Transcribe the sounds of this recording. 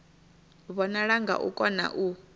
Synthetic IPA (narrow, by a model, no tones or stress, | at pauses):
βɔnaɺaŋɡa̰ʔṵkʼɔna̰ʔu